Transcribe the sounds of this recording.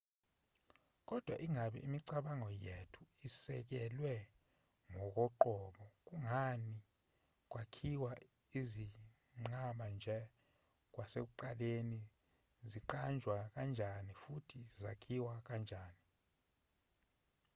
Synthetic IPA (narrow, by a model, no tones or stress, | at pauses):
k̬ʼɔd̥ʱwaʔiŋʱaɓɛ̰imiǀaɓaŋɔjetʰuisɛk̬ɛlwɛ | ŋɔk̬ʼɔǃɔɓɔk̬ʼuŋani | k̬ʼwakʰiwa | izi | ŋ͡ǀaɓand͡ʒʱɛ | k̬ʼwasek̬uǃaleni | ziǃand͡ʒʱwak̬ʼand͡ʒʱanifutʰizakʰiwak̬and͡ʒʱaːni